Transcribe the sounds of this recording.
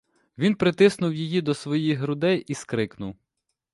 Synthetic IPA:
ʋʲinpɾɪt̪ɪsnʊwjijid̪ɔsʋɔjiɦɾʊd̪ɛjiskɾɪknʊw

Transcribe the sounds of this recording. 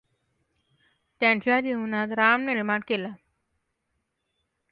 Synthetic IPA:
t̪jãt͡ɕad̪iunat̪ɾamneɾimaʈ̚kela

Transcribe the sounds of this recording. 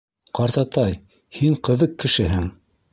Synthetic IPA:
qɑɾt̪ɑt̪ɑj | hiɴqɤ̆ðɤqkːɘ̆ʃɘɦɘŋ

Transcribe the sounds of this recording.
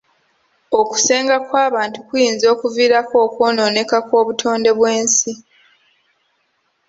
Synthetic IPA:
oku̥se̞ːŋɡakwaːβaːntukujiːnzo̞ːkuviːɾako̞ːkwo̞ːno̞ːne̞kako̞ːβutʰo̞ːnde̞βwe̞ːnsi

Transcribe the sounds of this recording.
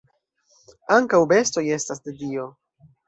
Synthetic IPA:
aŋkawbe̞sto̞je̞stasdedio̞

